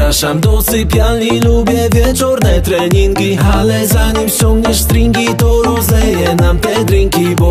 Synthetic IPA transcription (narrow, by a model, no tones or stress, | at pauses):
aʃamd̪ɔsɪpʲjalilubʲjɛvʲjɛt͡ʂɔɾnɛt̪ɾɛɲiŋkʲialɛzaɲimɕt͡ɕɔŋɡɲɛʂst̪ɾiŋkʲit̪ɔɾɔzɛjɛnamt̪ɛd̪ɾiŋkʲibɔ